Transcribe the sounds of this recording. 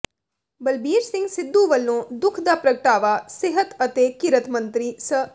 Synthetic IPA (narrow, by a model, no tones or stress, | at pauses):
bɐlbiːɾsɪ̃ŋɡsɪd̪ːuʋɐlːõːd̪ʊkʰd̪aːpɾɐɡəʈaːʋaːseɦət̪ɐt̪eːkiɾət̪ʰmɐ̃nt̪ɾiːsə